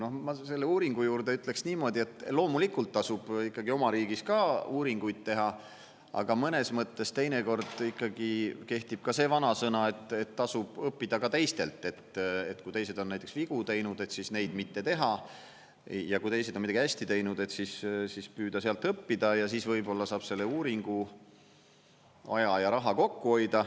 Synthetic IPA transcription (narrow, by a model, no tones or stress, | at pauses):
no̞hmɑse̞lːeuːɾiŋɡ̥ujuːɾd̪̥e̞yt̪ˑle̞ksniːmo̞ːd̪̥ʲie̞t̪ːˑlo̞ːmulikult̪ːɑsub̥ikːˑɑɡio̞mɑɾiːɡ̥iskɑːuːɾiŋɡ̥ujd̪̥̚t̪e̞ɦɑ | ɑ̰ɡ̥ɑmɤne̞smɤt̪ːe̞st̪e̞jneko̞rd̪̥ikːˑɑɡ̥ike̞ht̪ib̥̚kɑse̞ːvɑnɑsɤnɑe̞t̪ːe̞t̪ːɑsub̥ɤpːid̪̥ɑkɑt̪e̞jst̪e̞̰lt̪ːˑe̞t̪ḛt̪kujt̪e̞jse̞d̪̥o̞nːæjt̪ːˑeksviɡ̥ut̪e̞jnud̪e̞t̪sisne̞jd̪̥mit̪ːe̞t̪e̞ɦɑ | jɑkujt̪e̞jse̞d̪onmiɑɡiæsʲt̪it̪e̞jnud̪e̞t̪sissispyːd̪̥ɑseɑlt̪ɤpːid̪ɑjɑsiːsvɤjbo̞lːɑsɑːb̥se̞lːeuːɾiŋɡ̥u | ɑ̰jɑjɑɾɑɦɑko̞kːuo̞jd̪̥ɑ